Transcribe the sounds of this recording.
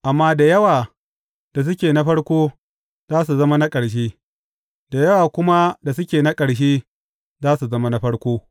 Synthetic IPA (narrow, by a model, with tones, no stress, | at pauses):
ʔa˨mːaː˦da˨jɐ˦waː˨ | d̥a˨s̬ʊ˦kʲeː˨na˦ɸɐ˦ɽkʷoː˦ | zaː˦s̬u˨zɐ˦ma˦na˦kʼɐ˨ɽʃ̬eː˦ | da˨jɐ˦waː˨kʷʊ˦ma˦da˨sʊ˦kʲeː˨na˦kʼɐ˨ɽʃ̬eː˦ | zaː˦su˨zɐ˦ma˦na˦ɸɐ˦ɽkʷoː˦